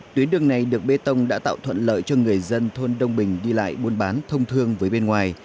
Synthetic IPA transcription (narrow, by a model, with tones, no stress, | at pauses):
t̪wi˨˦ənɗɨ˨˩əŋna˨˩jɗɨ˨˩ək̚ɓe˧t̪ə˧wŋ͡mɗa̰ː˧˥t̪a̰ː˧˨wt̪ʰwə̰˧˨nlə̰ː˧˨jt͡ɕɔ˧ŋɨ˨˩əjzə˧nt̪ʰo˧nɗə˧wŋ͡mɓï˨˩ŋ̟ɗi˧la̰ː˧˨jɓo˧nɓaː˨˦nt̪ʰə˧wŋ͡mt̪ʰɨ˧əŋvəː˨˦jɓe˧nŋwaː˨˩j